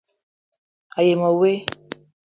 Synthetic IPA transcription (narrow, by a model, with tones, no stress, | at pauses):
a˨je˨mɔ˨we˦